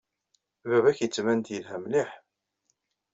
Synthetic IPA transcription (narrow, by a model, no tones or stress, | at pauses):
vævæçjət͡sːmænt̪jəlɦæmliħ